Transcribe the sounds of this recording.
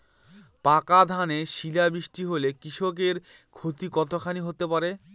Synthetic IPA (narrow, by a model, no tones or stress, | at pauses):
pakad̪ʱaneʃilabɾiʃʈiɦolekɾiʃok̬eɾ | kʰot̪ikɔt̪ʰokʰaniɦot̪epaɾe